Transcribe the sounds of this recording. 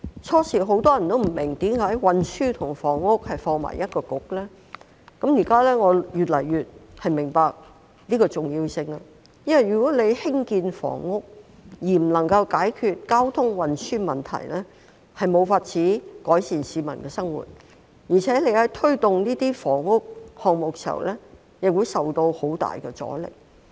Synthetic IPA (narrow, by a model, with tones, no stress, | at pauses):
t͡sʰɔː˥siː˨˩ɦo˨˥wt̪ɔː˥jɐ˨nt̪o˥wm̩˨˩mɪ˨˩ŋt̪i˨˥mkaː˨˥jwɐ˨nsyː˥t̪ʰʊ˨˩ŋfɔː˨˩ŋːʊ˥k̚hɐ˨jfɔː˧ŋma̰˨jɐ˥t̚kɔː˧kʊ˨˥k̚lɛː˥ | kɐ˨˥mjiː˨˩kaː˥lɛː˥ŋɔː˨˧jyː˨t̚lɐ˨˩jːyː˨t̚hɐ˨jmɪ˨˩ŋpaː˧k̚ | liː˥kɔː˧t͡sʊ˨ŋjiː˧wsɪ˧ŋɐ˧ | jɐ˥nwɐ˨jːyː˨˩kɔː˨˥le˨˧jhɪ˥ŋkiː˧nfɔ̰ː˨˩ŋːʊ˥k̚jiː˨m̩˨˩lɐ˨˩ŋkɐ˧wkaː˨˥jkʰyː˧t̚kaː˥wt̪ʰʊ˥ŋwɐ˨nsyː˥mɐ˨nt̪ʰɐ̰˨˩jlɛː˥ | hɐ˨jmo˨˧wfaː˧t̚t͡sʰiː˨˥kɔː˨˥jsiː˨nsiː˨˧˥mɐ˨˩nkɛː˧sɐ˥ŋwṵ˨˩t̚ | jiː˨˩t͡sʰɛː˨˥le˨˧jhɐ˨˥jt̪ʰɵ˥ɥt̪ʊ˨ŋniː˥t̪iː˥fɔː˨˩ŋːʊ˥k̚hɔː˨ŋ̚mo˨k̚si˨ɐ̰˨˩wlʔɛː˥ | nɪ˨k̚wu˨˧jsɐ˨wt̪o˧who˨˥wt̪a̰ː˨jkɛ˧t͡sɔ̰ː˨˥lɪ̰˨˩k̚